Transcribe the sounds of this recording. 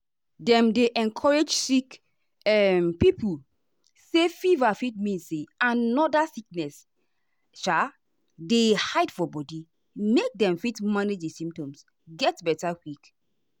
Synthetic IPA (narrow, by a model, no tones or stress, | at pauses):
dɛ̃mdeʔɛ̃nkʰɔɹed͡ʒsik | ɛmpipu | sefivafit̚mĩnseanɔdasiknɛs | ʃa | dehaɪdfɔbɔdi | mek̚dɛ̃mfitmaned͡ʒdisĩmptɔ̃ms | ɡɛtbɛtakik